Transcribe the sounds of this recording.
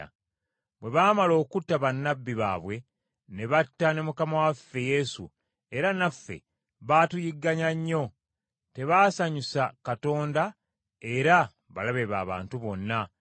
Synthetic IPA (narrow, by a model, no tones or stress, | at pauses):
bwe̞βaːmalo̞ːkutːaβanːabːiβa̰ːβwe̞ | ne̞βatːane̞mukamawafːe̞je̞ːsṵ | e̞ɾanafːe̞̰ | βatujiɡːaɲaɲːo̞ | te̞βaːsaɲusakato̞ːnda | eɾa | βalaβe̞βa̰ːβa̰ːntuβo̞nːa